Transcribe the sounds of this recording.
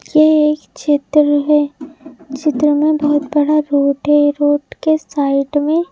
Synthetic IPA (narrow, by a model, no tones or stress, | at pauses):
jeeːkt͡ʃɪt̪ɾəɦɛːt͡ʃɪt̪ɾəmẽbɐɦʊt̪bɐɽaɾoːʈɦɛɾoːʈkesaːɪɖmẽ